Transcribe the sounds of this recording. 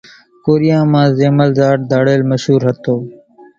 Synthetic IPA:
koːɾijãːmãːzeːməlzaːʈ̚d̪ʱaːɽeːlməʃɦuːɾɦət̪oː

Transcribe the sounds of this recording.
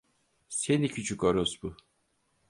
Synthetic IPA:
senicʰyt͡ʃʰykoɾosbu

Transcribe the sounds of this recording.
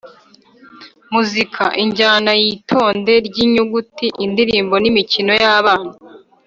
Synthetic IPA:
muzikʰaʔiɲɟaːnajitʰo̞ːnde̞ɾɟiɲuɡutiʔindiɾiːmbo̞nimicino̞jaːβaːna

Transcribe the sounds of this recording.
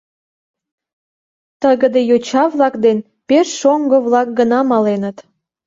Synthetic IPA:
t̪əɣəd̪ejot͡ɕɑβlɑkd̪en | perːoŋɡəβlɑk̚ɡənɑmɑlenət̪

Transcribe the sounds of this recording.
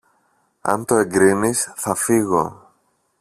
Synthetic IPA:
ɐ̰nt̪o̞e̞ŋɡɾinisθɐfiɣo̞̰

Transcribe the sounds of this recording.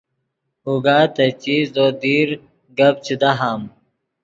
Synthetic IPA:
huɡaːt̪ɐt͡ɕiːzd̪od̪iːɾ | ɡɐb̚t͡ɕid̪aɦam

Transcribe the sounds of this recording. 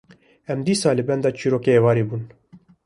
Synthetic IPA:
ɛmd̪iːsɑːlɨbɛnd̪ɑːt͡ʃʰiːɾoːkeevɑːɾeːbuːn

